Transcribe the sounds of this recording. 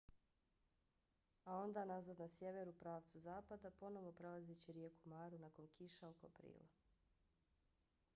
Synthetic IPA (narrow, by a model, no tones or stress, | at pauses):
ao̞nd̪aːnazad̪nasje̞ʋe̞ɾupɾaːʋt̪suzaːpad̪apo̞no̞ʋo̞pɾe̞lˠazet͡ɕiɾjekumaːɾunako̞nkiʃaokapɾḭːlˠa̰